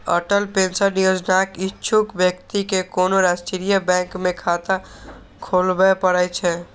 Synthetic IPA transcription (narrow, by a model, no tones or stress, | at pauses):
ə̰ʈəlpensəɾnijod͡ʒnakitːt͡ʃʰukbjəkt̪ikekonoɾasʈiɾijəbɛ̃ŋkmẽkʰat̪a | kʰolbɛpəɾət͡ʃʰɛ